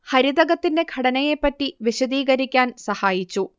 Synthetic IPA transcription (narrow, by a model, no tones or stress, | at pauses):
hɐɾiðɐɣɐt̪ːinde̞ɡʱɐɽɐnɐjepːɐtːiʋiɕɐd̪iːɣɐɾikʲːaːnsɐhaːjit͡ɕːu